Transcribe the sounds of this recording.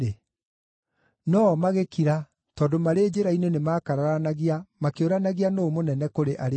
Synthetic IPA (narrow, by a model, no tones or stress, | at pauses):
e | nɔmaɣekiɾa | tɔːndomaɾeːd͡ʑeɾainenemaːkaɾaɾanaɣiamakeoɾanaɣianoːmonɛnɛkoɾeʔaɾ